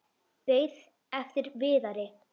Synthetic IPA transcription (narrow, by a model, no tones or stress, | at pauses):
veːjð | ɛft̪ɪɾvɪːðaɾɪ